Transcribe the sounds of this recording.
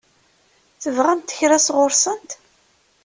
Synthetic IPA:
θəvʁæmt̪ːə̥çɾæsʁʊɾsənt̪

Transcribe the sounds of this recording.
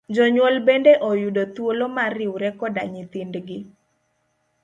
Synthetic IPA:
d͡ʒɔɲwɔlbendeʔojudot̪wolomarɪwɾɛkɔdaɲit̪indɡɪ

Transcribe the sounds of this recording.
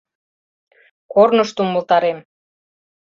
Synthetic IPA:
kornəʃt̪uməlt̪ɑɾem

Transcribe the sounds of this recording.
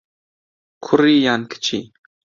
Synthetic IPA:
kʰʊriːjankʰə̥t͡ʃʰi

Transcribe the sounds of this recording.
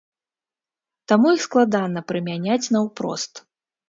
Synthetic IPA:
t̪amujixsklˠad̪anɐpɾɨmʲanʲat͡sʲnɐwpɾɔ̰st̪

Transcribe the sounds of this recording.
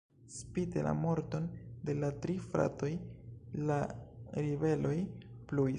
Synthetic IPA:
spidela̰mo̞ɾto̞nde̞latɾifɾa̰to̞jlaɾive̞lo̞jplu

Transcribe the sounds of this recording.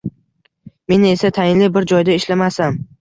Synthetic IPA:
me̞ne̞sat̪ʰajɪnlɪbɪɾd͡ʒɒjd̪aɪʃlamasam

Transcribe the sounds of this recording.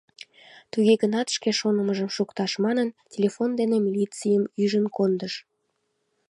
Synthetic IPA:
t̪uɣeɣənɑt̪ʃkeʃonəməʒəmʃukt̪ɑʃmɑnəntʲelʲefond̪enemʲilʲit͡sijəmyʒənkond̪əʃ

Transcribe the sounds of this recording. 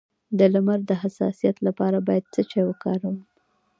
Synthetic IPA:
d̪əlamaɾd̪əɦasɑ̰sijat̪lapɑɾabɑjad̪̚t͡sət͡ʃewəkɑɾawə

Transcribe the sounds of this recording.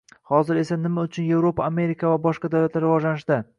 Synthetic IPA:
hɒzɪɾe̞sanɪmaʊt͡ʃʰʊnje̞vɾopaːme̞ɾɪkʰavabɒʃqɑd̪awlat̪laɾːɪvɒd͡ʒlanɪʃd̪ɪ

